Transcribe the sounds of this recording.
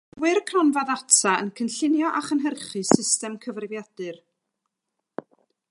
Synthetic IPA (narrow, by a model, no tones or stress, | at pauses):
wɪrkʰrɔnvaðatʰaənkʰənɬɪnjɔʔaχənɦərχɨsɪstɛmkʰəvrvjad̥ɨr